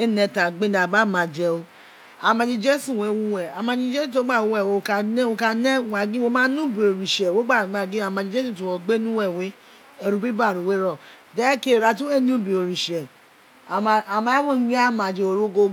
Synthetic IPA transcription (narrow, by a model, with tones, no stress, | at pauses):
e˦nɛ̃˧ta˨ɡ͡be˦da˨ba˦˨mã˨˧˨d͡ʒɛ˧o˧ | a˨mã˧d͡ʒĩ˧d͡ʒe˦sũ˦˨we˨˦wu˧wɛ˨a˨mã˧d͡ʒĩ˧˦d͡ʒe˦sĩ˦˨o˨˦ɡ͡ba˦˨wo˨˧wɛ˦˨we˧o˧ka˧nɛ̃˦o˧ka˧nɛ̃˦˨wa˧˨ɡĩ˦wo˧mãː˦nũ˦bi˨o˨ɾi˨ʃɛ˨wo˦ɡ͡ba˦˨ɡ͡ba˧˨ɡĩ˦a˧˨mã˧d͡ʒi˧d͡ʒe˦sũ˦˨tu˨wɔ˨ɡ͡be˦nũ˦wɛ˦˨we˨˦ | ɛ˧ɾu˧˦bi˦ba˦˨ɾu˨we˦ɾɔ˦˨ | dɛ˦ke˦˨ɾa˧tũ˦e˦˨nũ˦˨bi˨o˨ɾi˨ʃɛ˨˧ | a˨mã˧˦wõ˦ɡ͡bi˦a˦˨mã˨d͡ʒe˧o˧ɾo˦ɡo˧